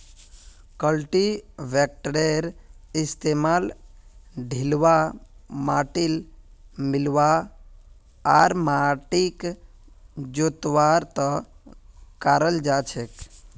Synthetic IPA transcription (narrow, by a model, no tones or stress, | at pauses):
kəlʈiʋek̚ʈɾeɾist̪emal | ɖʱilʋamaʈilmilʋa | aɾmaʈik | d͡ʒot̪ʋaɾt̪ə | kaɾəld͡ʒat͡ʃʰek